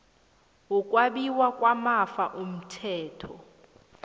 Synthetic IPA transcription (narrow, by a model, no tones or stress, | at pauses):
wukʼwaɓiwakʼwamafaʔum̩tʰɛːtʰɔ